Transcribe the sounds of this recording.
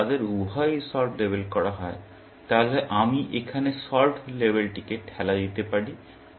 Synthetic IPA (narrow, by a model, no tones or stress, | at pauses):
ad̪eɾubʱajsɔʈlebʱelkɔɾaɦɔe | t̪aɦleʔamiʔekʰanesɔɾʈʰlebʱelʈikeʈhɛlad̪it̪epaɽi